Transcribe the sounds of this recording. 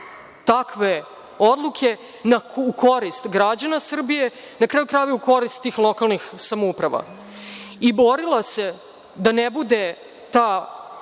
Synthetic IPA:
t̪akʋe | o̞d̪lˠukʰe̞ | naukʰo̞ɾist̪ɡɾad͡ʑanasr̩bije̞ | nakɾaːjukɾaːjvjeuko̞ɾist̪ːiːxlˠo̞kalˠnixsamoupɾaʋa̰ | ibo̞ɾilˠase̞ | d̪anebud̪e | t̪a

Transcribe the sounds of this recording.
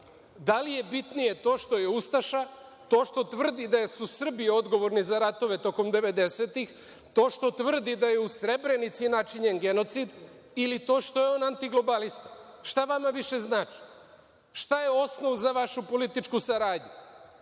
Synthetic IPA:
d̪alije̞bit̪nije̞t̪o̞ːʃt̪o̞je̞ust̪aʃat̪o̞ːʃt̪o̞t̪ʋr̩d̪id̪ajsusr̩bio̞d̪ɡo̞ʋo̞ɾnizaɾat̪o̞ʋe̞t̪o̞ko̞md̪e̞ʋe̞d̪e̞seːt̪ix | t̪o̞ːʃt̪o̞t̪ʋr̩d̪id̪aje̞usɾe̞bɾe̞nit̪sinat͡ʃiɲenɡe̞no̞t̪sid̪ | ilit̪o̞ːʃt̪o̞jeo̞nant̪iɡlo̞balist̪a | ʃt̪aʋamaʋiʃe̞znaːt͡ʃi̥ | ʃt̪aje̞o̞sno̞ʋuzaʋaʃupo̞lit̪it͡ʃkusaɾaːdɲu

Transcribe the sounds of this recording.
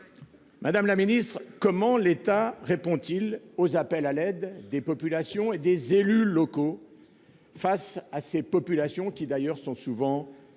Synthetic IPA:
mad̪amlaminist̪χkɔmɑ̃let̪aʁepɔ̃t̪ilozapɛlalɛd̪ːepɔpylasjɔ̃ed̪ezelylɔko | fasasepɔpylasjɔ̃kʲid̪ajœʁsɔ̃suvɑ̃

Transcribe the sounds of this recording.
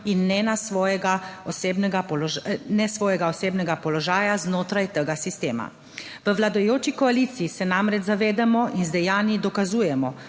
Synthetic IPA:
inːɛnasʋɔːjɛɡaɔseːbnɛɡapɔlnɛsʋɔːjɛɡaɔseːbnɛɡapɔlɔʒaːjaznoːt̪ɾajt̪əɡasist̪eːma̰ | ʋəʋlad̪ɔjoːt͡ʃikɔaliːt̪siisɛnamɾɛd͡ʒzaʋeːd̪amɔʔinzd̪ɛjaːnid̪ɔkazuːjɛmɔ

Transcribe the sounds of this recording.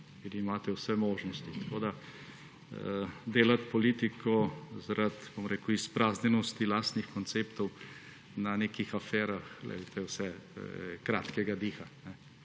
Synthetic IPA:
iɾimaːt̪ɛwsɛmoːʒnɔst̪it̪ɐkod̪a | d̪eːlat̪pɔliːt̪ikʰɔzɾʔat̪bomɾeːkʊispɾaːznɛnɔst̪ilaːst̪nixkɔnt̪seːpt̪ɔw | naneːkixafɛːɾaxlɛ̰d̪t̪ʰɛwsɛ | kɾa̰ːt̪kɛɡad̪iːxanɛ

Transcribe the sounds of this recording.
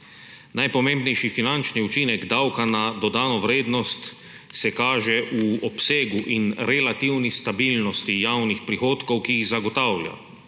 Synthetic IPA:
najpɔmẽmbnɛjʃifinant͡ʃniut͡ʃinɛɡd̪awkanad̪ɔd̪aːnɔʋɾeːd̪nɔst̪ | sɛkaːʒɛʔuɔpseːɡuʔinɾɛlat̪iwnist̪abilnɔst̪ijaːwnixpɾixoːt̪kɔwkiːɣzaɡɔt̪awlja̰

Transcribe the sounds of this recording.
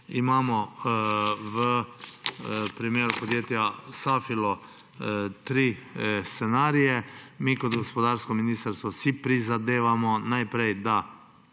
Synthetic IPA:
imaːmɔ | ʋə | pɾimeːɾupɔd̪jeːt̪jasaːfilɔ | t̪ɾiːst̪senaːɾijɛmiːkɔd̪ɡospɔd̪aːɾskɔminiːst̪əɾst̪ʋɔsipɾizad̪eːʋamɔnajpɾejd̪a

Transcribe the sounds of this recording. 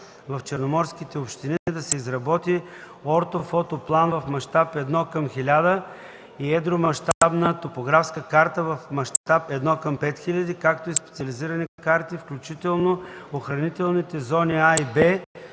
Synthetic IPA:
vɐft͡ʃɛɾnomɔɾskʲit̪ɛopʃt̪inid̪ɐsɛizɾɐbɔt̪i | ɔɾt̪ofɔt̪oplˠanvɐfmɐʃt̪apɛd̪nɔkəmxilʲad̪ə | iɛd̪ɾomɐʃt̪abnət̪opoɡɾafskəkaɾt̪əvɐfmɐʃt̪apɛd̪nɔkəmpɛt̪xilʲɐd̪ikakt̪oispɛ̥t̪siɐliziɾɐnikaɾt̪ifklʲut͡ʃit̪ɛlˠnooxɾɐnit̪ɛlˠnit̪ɛzɔniaibɛ

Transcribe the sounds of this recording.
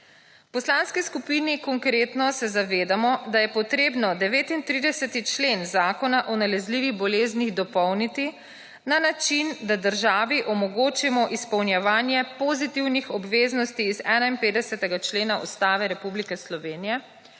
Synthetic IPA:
wpɔslanskiskupinikɔŋkɾeːt̪nɔsɛzaʋeːd̪amɔd̪ajɛpɔt̪ɾeːbnɔd̪ɛʋeːt̪int̪ɾiːd̪ɛsɛt̪it͡ʃlenzaːkɔnaʔɔnalɛzliʋiɣbɔleːzniɣd̪ɔpɔwnit̪i | nanat͡ʃind̪ad̪əɾʒaːʋiʔɔmɔɡoːt͡ʃimɔʔispɐwnjɛʋaːnjɛpɔzit̪iwnixɔbʋeːznɔst̪iːzɛːnainpeːd̪ɛsɛt̪ɛɡat͡ʃleːnaṵst̪aːʋɛɾɛpublikɛslɔʋeːnijɛ

